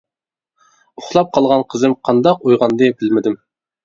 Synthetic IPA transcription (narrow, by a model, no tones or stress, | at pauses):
ʊχlˠɑp̚qʰɑlˠʁɑnqʰəzɨmqʰɑnd̪ɑq̚ojʁɑnd̪ɨbɪlmɪd̪ɪm